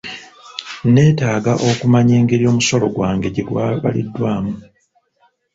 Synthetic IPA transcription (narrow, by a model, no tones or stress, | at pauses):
ne̞ːtaːɡaʔo̞kumaɲeːŋɡe̞ɾijo̞ːmuso̞lo̞ɡwaːŋɡe̞ɟeɡwaβa̰lḭdːwaːmu